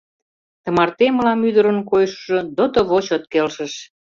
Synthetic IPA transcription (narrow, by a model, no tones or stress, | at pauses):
t̪ə̆mɑrt̪eməlɑmyd̪əɾə̆nkojʃʒŏd̪ot̪oβot͡ɕot̪̚kelʃə̆ʃ